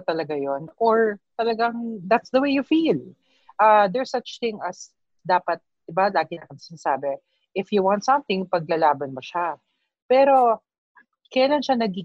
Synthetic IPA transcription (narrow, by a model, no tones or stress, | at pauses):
t̪ɐlɐɡajonʔɔɹt̪ɐlɐɡaŋd̪at̪sd̪ɐwejjʊfil | ʔɐd̪ɛɹsɐt͡ʃθɪ̃ŋɐs | d̪aːpɐt̪̚d̪̥ɪbalaːɡɪnɐkɐŋsɪnɐsaːbɛ | ʔɪfjuwãnt̪sɐ̃mθɪ̃ŋpɐɡ̚lɐlaːbɐnmɐʃa | pɛːɾo̞ | kɐjaːlanʃanɐɡi